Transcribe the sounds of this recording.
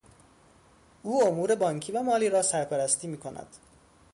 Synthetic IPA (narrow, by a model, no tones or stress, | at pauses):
uːomuːɾe̞bɒːŋkʰiːvæmɒːliːɾɒːsæɾpʰæɾæst̪iːmiːkʰo̞næ̰d̪̥